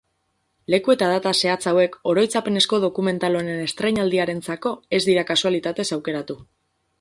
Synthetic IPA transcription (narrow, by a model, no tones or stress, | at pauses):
le̞kue̞t̪að̞at̪ase̞at͡sawe̞ko̞ɾo̞jt͡sape̞ne̞sko̞ð̞o̞kume̞nt̪alo̞nene̞st̪ɾe̞jɲald̪iaɾe̞nt͡sako̞e̞zd̪iɾakasualit̪at̪e̞sawke̞ɾat̪u